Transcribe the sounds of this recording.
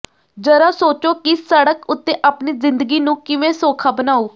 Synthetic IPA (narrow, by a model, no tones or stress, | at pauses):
d͡ʒəɾaːsoːt͡ʃoːkisəɽəkʊt̪ːẽːʔaːpniːzɪ̃nd̪əɡiːnũːkɪʋẽːsoːkʰaːbənaːuː